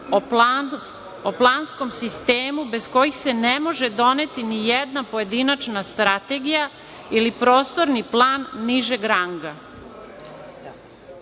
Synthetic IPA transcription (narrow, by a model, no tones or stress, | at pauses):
o | oplˠaːnsko̞msist̪eːmube̞sko̞jixse̞nemo̞ʒed̪o̞net̪inijɛd̪napo̞je̞d̪inat͡ʃnast̪ɾat̪e̞ɡija | ilipɾo̞ːst̪o̞ɾniplˠaːnːiʒeɡɾaŋɡa